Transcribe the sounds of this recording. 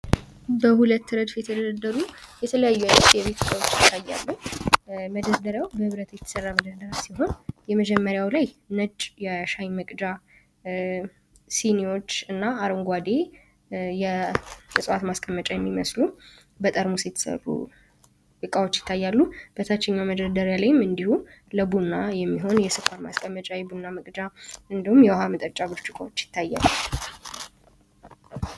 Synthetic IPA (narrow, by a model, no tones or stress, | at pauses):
bəhulət̪ːɨɾəd̪fjɛt̪ʰjʰəɛd̪əd̪ad̪əɾujɛt̪ʰələjajːuanət̪jɛβe̞t̪ɨkʼawot͡ʃːjɪt̪ʰːajːa̰lːu | məd̪əɾd̪əɾəwbəhɨβɾət̪ʰjɛt̪ʰːəsərːaməd̪əɾd̪əɾasiɦo̞njɛməd͡ʒɛmːəɾjawlajnəd͡ʒʼjɛʃajməkʼd͡ʒa | sinio̞t͡ʃːɨnːaːɾɨŋɡʷad̪e̞ | jɛɨsʼwat̪maskʼəmːət͡ʃʼajɛmːiməslu | bət̪ʼəɾmuset̪ʰːsə̰βṵ | ʔɨkʼawot͡ʃːjɪ̥t̪ʰːajːalːub̥ət̪ʰat͡ʃːɛɲːaməd̪əd̪əɾjalajɪmɨnd̪ihuləbunːajɛmːiɦo̞njɛsɨfʼaɾma̰skʼəmːət͡ʃʼajɛbunːaməkʼd͡ʒaɨnd̪ihumjɛwaɦamɨt̪ʼət͡ʃʼːabɨɾt͡ʃʼʊkʼa̰wo̞t͡ʃːjɪ̥t̪ʰːajːa̰lːu